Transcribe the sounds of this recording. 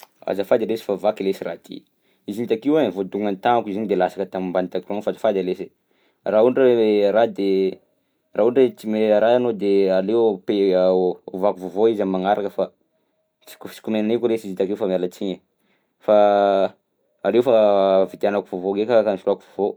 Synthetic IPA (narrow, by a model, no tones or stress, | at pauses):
a̰zafad̪alesi̥favakilesirat̪ḭ | izint̪akiwavod̪uŋant̪anakizaɲd̪elasḁkət̪amimbanit̪akraŋfazḁfad̪alese | rauɳɖ͡ʐaeɾad̪e | rauɳɖ͡ʐet͡simeɾaanod̪ealewpe | ovakuvovoizammaŋaɾʔakəfa | t͡si̥kut͡ʃi̥kumenanikulesizint̪akewfamalət͡siɲə | fa | alewfavid̪anakuvovoɡekakamifirakuvovo